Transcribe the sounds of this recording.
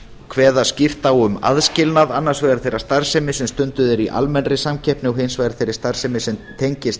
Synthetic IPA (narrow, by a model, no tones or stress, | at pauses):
kʰvɛːðascɪft̪awʏma̰ðscɪlnaðanːḁsvɛːɣaɾ̥θejɾast̪aɾ̥sɛmɪsɛmst̪ʏnt̪ʏðɛɾiʔa̰lmɛnrɪsamcʰɛhpnɪawɦejnsvajɣɾḁθejɾɪɾ̥st̪aɾ̥sɛmɪsɛmt̪ʰejɲcɪst̪